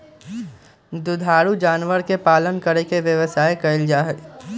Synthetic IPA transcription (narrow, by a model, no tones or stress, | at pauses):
d̪ʊd̪ʱaːɾud͡ʒaːnʋəɾkepaːlənkəɾekeʋjəʋəsaːekɐɪld͡ʒaːɦɛ